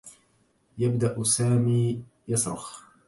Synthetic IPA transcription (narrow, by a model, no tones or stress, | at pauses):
jabd̪aʔsaːmiː | jɑsɾˤɑ̰x